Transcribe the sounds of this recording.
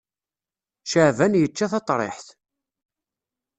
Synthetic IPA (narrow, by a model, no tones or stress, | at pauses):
ʃəʕvænjət͡ʃːæθɑt̪ˤɾˤḛħθ